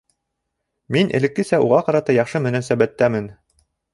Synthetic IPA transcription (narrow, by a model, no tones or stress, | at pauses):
minʔɘ̰̆lɘ̆kːɘ̆sæʔṵʁɑqɑɾɑt̪ɑjɑχʃɤmɘ̆næsæbæt̪ːæmɘn